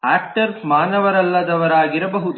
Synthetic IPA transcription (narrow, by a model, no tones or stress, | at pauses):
aːk̚ʈɐɾmaːnɐʋɐɾɐlːɐd̪ɐʋɐɾaːɡiɾɐbɐɦut̪